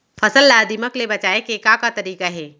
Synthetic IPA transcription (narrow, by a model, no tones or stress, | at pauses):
fʰɐsəlːaːd̪iməklebɐt͡ʃaːekeːkakat̪ɐɾiːkaɦɛː